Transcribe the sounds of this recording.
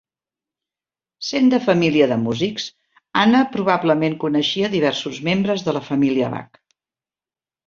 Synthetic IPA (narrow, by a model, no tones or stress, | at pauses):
send̪əfəmiliəðəmuziks | anəpɾuβabləmeŋkunəʃiəðiβ̞ɛɾsuzmembɾəzðələfəmiliəβa̰k